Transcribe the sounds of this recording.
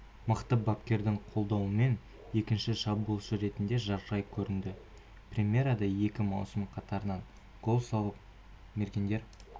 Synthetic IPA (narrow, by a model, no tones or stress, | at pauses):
məqt̪əbɑpkʲe̞ɾd̪ɪŋqʰo̞lˠd̪ɑwəme̞n | je̞kʲɪnʃɪʃɑbulˠʃəɾe̞t̪ɪnd̪e̞ʒɑɾʒɑjkʲʰɵɾɪnd̪ɪ | prʲemʲje̞ɾɑd̪ɑje̞kʲɪmɑwsəmqʰɑt̪ɑɾənɑɴ | ɡ̥o̞lˠsɑlˠəp̚ | me̞ɾkʲend̪e̞ɾ